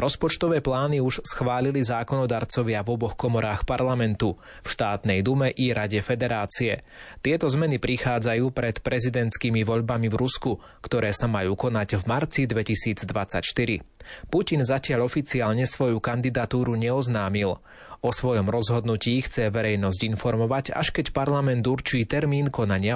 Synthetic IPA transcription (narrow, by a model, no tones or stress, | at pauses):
ɾɔspɔt͡ʃt̪ɔʋɛːplaːniuʃsxʋaːlilizaːkɔnɔd̪aːɾt͡sɔʋɪavɔbɔxkɔmɔɾaːxpaɾlamɛnt̪u | fʃt̪aːt̪nɛjd̪umɛʔiɾaɟɛfɛd̪ɛɾaːt͡siɛ | t̪ɪɛt̪ɔzmɛnipɾixaːd͡zajuːpɾɛt̪pɾɛzid̪ɛnt̪skiːmiʋɔʎbamivɾusku | kt̪ɔɾɛːsamajuːkɔnaɟvmaɾt͡sid̪ʋɛcisiːd͡zd̪ʋat͡sa̰cʃt̪iɾipucinzacɪaʎɔfit͡siaːʎɲɛsʋɔjukand̪id̪at̪uːɾuɲɛɔznaːmil | ɔsʋɔjɔmɾɔzɦɔd̪nuciːxt͡sɛʋɛɾɛjnɔzɟinfɔɾmɔʋaca̰ʃkɛcpaɾlamɛnd̪uɾt͡ʃiːt̪ɛɾmiːnkɔnaɲɪa